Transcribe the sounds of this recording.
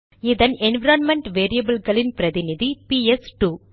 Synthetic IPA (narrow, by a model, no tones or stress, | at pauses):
ɪðɐnɛnʋɪɾoːnmɛɳʈʋeːɾijɐbɐlɡɐɭɪnpɪɾɐðɪnɪðipiːɛsʈuː